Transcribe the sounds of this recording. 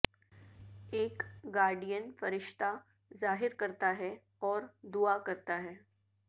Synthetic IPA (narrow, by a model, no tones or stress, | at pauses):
eːkɡaːɾɖijənfɐɾɪʃt̪a | zaːɦɪɾkɐɾt̪aɦɛ | ɔːɾd̪uakɐɾt̪aɦɛː